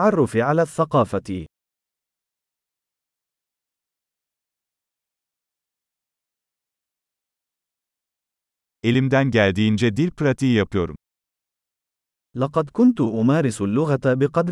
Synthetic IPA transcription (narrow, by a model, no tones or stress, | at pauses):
ʕɑrˤːʊfiʕalaːθːaqɑːfat̪ɪ | elimd̪ænɟælʲd̪ijind͡ʒɛd̪ilpɾat̪ʰiːjɑpɯjo̞ɾum | lɑqɑd̪kʊnt̪ʊʔʊmaːɾɪsʊlːʊɣat̪abɪqɑd̪